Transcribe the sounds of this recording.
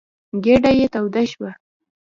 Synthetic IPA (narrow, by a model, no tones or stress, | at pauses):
ɡeɖajet̪awd̪aʃwa